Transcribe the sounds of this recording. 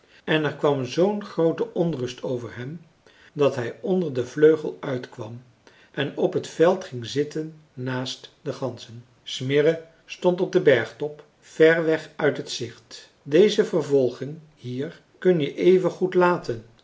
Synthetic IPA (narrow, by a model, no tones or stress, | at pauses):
ɛnɛɹkʋɑmzownχrowtəʔɔnrɵstʰowvəɹɦɛm | dɑtɦɛjɔndəɹdəvløɥχəlˠœɥtkʋɑm | ʔɛnɔpɦətfɛlˠtχɪŋzɪtənː | aːstdəχɑnsən | smɪrə | stɔntɔb̚dəbɛɹχtɔp | fɛɹʋɛχœɥtɦətsɪχt | dejzəvəɹvɔlˠχɪŋ | hiːr | kɵnjəʔejvənχutlaːtən